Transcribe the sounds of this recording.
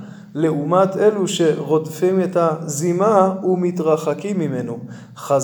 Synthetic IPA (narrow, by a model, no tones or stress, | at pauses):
le̞umat̪ʰeluʃeʁo̞dfimetazimaumit̪ʁaχakimːimenu | χaz